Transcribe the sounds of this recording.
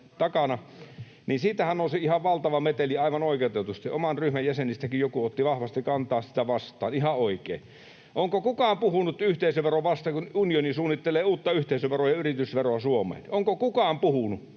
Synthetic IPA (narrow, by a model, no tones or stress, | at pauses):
t̪ɑkɑnɑ | niːnsiːt̪æhænolseihɑʋʋɑlt̪ɑʋɑmet̪eliɑˑiʋɑnoˑikeot̪et̪ust̪iʔomɑnryhmæjjæsenist̪ækijjokuot̪ːiʋɑhʋɑst̪ikɑnt̪ˑɑːssi̥t̪æʋɑst̪ˑɑ̰ːnihɑoˑikˑḛː | ʔoŋkokukɑːmpuhunut̪yht̪eˑisøʋʋeroʋʋɑst̪ɑkununionisuːnːit̪ːeleːuːt̪ːɑyht̪eˑisøʋʋerojɑyrit̪ysʋeroɑsuomˑḛhlʔoŋkokukɑːmpuhunu